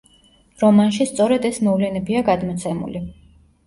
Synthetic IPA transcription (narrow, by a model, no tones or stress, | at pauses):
ɾɔmanʃist̪sʼɔɾɛd̪ɛsmɔvlɛnɛbiaɡad̪mɔt̪sʰɛmṵli